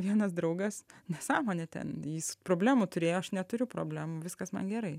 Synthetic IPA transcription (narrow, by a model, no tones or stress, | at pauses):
ʋʲiɛnɐsd̪ɾɐʊɡɐsnʲɛsɑːmoːnʲɛt̪ʲɛ̰njispɾoːbʲlʲæːmut̪ʊɾʲeːjoːɐʃnʲɛt̪ʊɾʲʊpɾoːbʲlʲæːmʊʋʲɪskɐsmɐ̰nɡʲɛɾɐɪ